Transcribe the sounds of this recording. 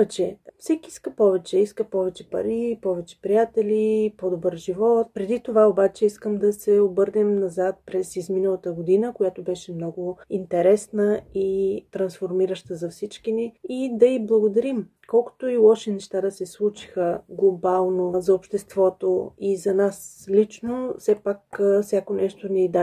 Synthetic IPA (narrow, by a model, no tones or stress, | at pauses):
vɛt͡ʃɛfsɛkiiskəpɔvɛt͡ʃɛiskəpɔvɛt͡ʃɛpɐ̰ɾipɔvɛt͡ʃɛ̥pɾijat̪ɛlʲipɔd̪obəɾʒivɔt̪̚pɾɛd̪it̪ovaobat͡ʃɛiskəmd̪ɐsɛobɤɾnɛmnɐzat̪̚pɾɛsizminəlˠət̪əɡod̪inəkojat̪obɛʃɛmnɔɡʊint̪ɛɾɛsnəit̪ɾɐnsfoɾmiɾəʃt̪əzɐfsit͡ʃkiniid̪ɐiblˠəɡod̪ɐɾim | kɔlˠko̥t̪oilˠɔʃɛnɛʃt̪ad̪ɐsɛslˠut͡ʃi̥xəɡlˠobalˠnozɐopʃt̪ɛst̪vɔt̪oizɐnaslit͡ʃnofsɛpakfsʲakonɛʃt̪onɛd̪a